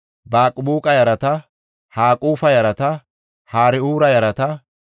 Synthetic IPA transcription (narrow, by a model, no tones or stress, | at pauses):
baːkʼbuːkʼɐjɐɾɐt̪ɐ | haːkʼuːfɐjɐɾɐt̪ɐ | haːɾɪuːɾɐjɐɾɐt̪ɐ